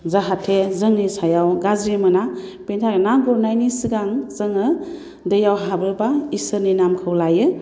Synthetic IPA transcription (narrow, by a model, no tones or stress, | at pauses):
zaɦatʰezɯŋnisajawɡazɾimɯnapentʰaɾenaɡɔɾnajnisiɡaŋzɯŋɯ | dɯjawɦabɯbaisɯninamkʰɯwlajɯ